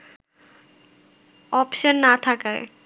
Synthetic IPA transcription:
ɔpʃənːat̪ʰakaj

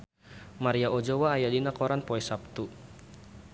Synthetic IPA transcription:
maɾiaʔod͡ʒowaːjadinakɔɾanpɔɛsap̚t̪u

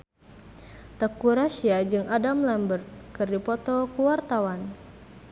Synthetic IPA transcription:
t̪əkuɾaʃiad͡ʒɨŋʔadamlɛmbərt̪̚kɨrdipɔt̪ɔkuwart̪awan

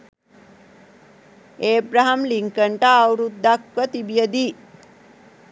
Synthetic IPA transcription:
eːbɾaɦamliŋkəɳʈaːwɾud̪ːakʋət̪ibjəd̪i

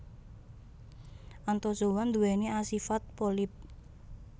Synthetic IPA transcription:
ʔant̪osuwand̪uwɛniasifat̪̚polip̚

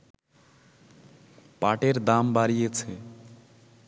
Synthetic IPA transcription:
paʈeɾd̪ambaɾijet͡ʃʰe

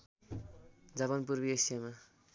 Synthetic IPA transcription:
d͡zʌβʌnpurbieksama

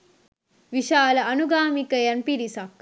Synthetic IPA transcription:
ʋiʃaːlɐɐnuɡaːmikəjɐnpiɾisak

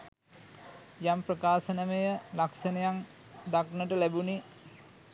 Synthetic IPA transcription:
jamprəkaːsənəmejəlaksənəjaŋ | d̪aknəʈəlæbuni

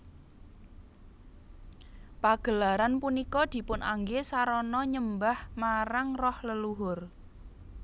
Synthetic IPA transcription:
paɡ̥ə̤laɾanpunikɔd̪̥i̤pʊnʔa̰ŋɡesaɾɔnɔɲəmbahmaɾaŋrɔhləluɦʊr

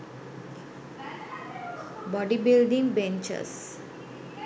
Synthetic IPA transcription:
bɔɖibilɖĩŋbɛ̃nt͡ʃə̰s

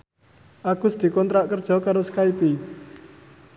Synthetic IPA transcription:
ʔaɡ̥ʊ̤sd̪̥i̤kɔnt̪ɾaʔkərd̥ʒ̥ɔ̤kaɾosə̥kaipi

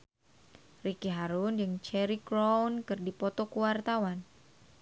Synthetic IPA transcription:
rikiɦaɾund͡ʒɨŋt͡ʃɛɾikɾownkɨrdipɔt̪ɔkuwart̪awan

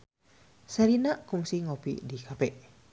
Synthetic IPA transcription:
saɾinaʔkuŋsiŋopḭdikapɛʔ

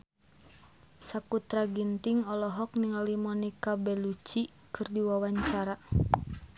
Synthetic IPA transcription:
sakut̪ɾaɡint̪iŋɔlɔɦɔk̚niŋalimɔnikabɛlut͡ʃi | kɨrdiwawaɲt͡ʃaɾa

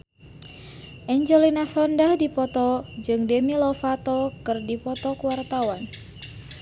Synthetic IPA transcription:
ʔɛɲd͡ʒɛlinasɔndahdipɔt̪ɔd͡ʒɨŋdɛmilɔfat̪ɔkɨrdipɔt̪ɔkuwart̪awan

